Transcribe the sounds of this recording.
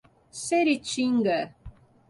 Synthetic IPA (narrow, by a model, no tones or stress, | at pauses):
seɾit͡ʃiŋɡə